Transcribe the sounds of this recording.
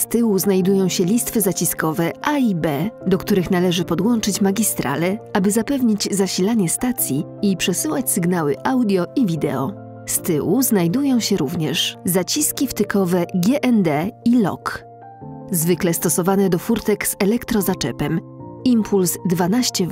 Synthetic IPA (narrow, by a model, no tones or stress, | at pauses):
st̪ɘwuznajd̪ujɔ̃w̃ɕɛlʲist̪fɘzat͡ɕiskɔvɛʔaibɛd̪ɔk̚t̪uɾɘxnalɛʐɘpɔd̪wɔnt͡ʂɘt͡ɕmaɡʲist̪ɾa̰lɛabɘzapɛvɲid͡ʑzaɕilaɲɛst̪at̪sʲjiipʂɛsɘwat͡ɕsɘɡnawɘʔawd̪ʲjɔʔivʲid̪ɛ̰ɔ̰ | st̪ɘwuznajd̪ujɔ̃w̃ɕɛɾuvɲɛʂzat͡ɕiskʲift̪ɘkɔvɛɡʲjɛʔɛnd̪ɛilɔ̰k | zvɘklɛst̪ɔsɔvanɛd̪ɔfuɾt̪ɛkz̥ɛlɛkt̪ɾɔzat͡ʂɛ̰pɛm | impʰulzd̪vanaɕt͡ɕɛ